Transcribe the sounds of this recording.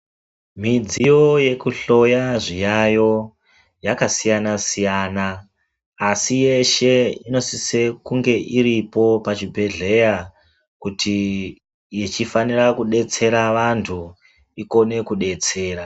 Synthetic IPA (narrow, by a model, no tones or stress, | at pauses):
mid͡zijo̞je̞kuɬo̞jaʐijajo̞ | jakasijanasijaːnaː | sije̞ʃe̞ino̞sise̞kuŋɡe̞ʔiɾipo̞pat͡ʃibʱe̞ɮe̞ja | kutʰi | jit͡ʃifanirakuɗe̞t͡se̞ɾaʋantʰu | iko̞ne̞kuɗe̞t͡se̞ːra